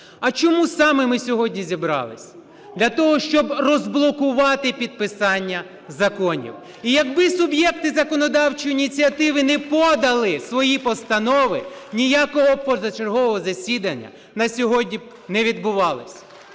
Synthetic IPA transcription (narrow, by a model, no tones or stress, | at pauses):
ɐt͡ʃɔmusɑmɪmɪsʲɔɦɔdʲnʲizʲibɾɑ̰lˠɪsʲ | d̪lʲɐt̪ɔɦɔʃt͡ʃɔbrɔzblˠɔkʊʋɑt̪ɪpʲid̪̚pɪsɑnʲːɐ | zɐkɔnʲḭw | ijɐɡbɪsʊbjɛkt̪ɪzɐkɔnɔd̪ɑwt͡ʃijinʲit͡sʲiɐt̪ɪʋɪnɛpɔd̪ɐlˠɪsʋɔjipɔst̪ɐnɔʋɪnʲijakɔɦɔpɔzɐt͡ʃerɦɔʋɔɦɔzɐsʲid̪ɐnʲːɐ̰ | nɐsʲɔɦɔdʲnʲi | nɛʋʲid̪̚bʊʋɑlˠɪsʲ